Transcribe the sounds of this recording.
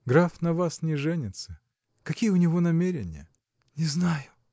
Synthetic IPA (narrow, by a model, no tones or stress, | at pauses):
ɡɾafnɐvasnʲɪʐɛnʲɪt̪sə | kɐkʲijəʊnʲɪvo̞nɐmʲeɾʲɪ̰nʲɪ̰jə̰ | nʲɪznajʊ